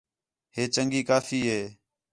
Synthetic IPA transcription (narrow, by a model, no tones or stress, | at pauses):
ɦeːt͡ʃəŋɡiːkaːfiːɦeː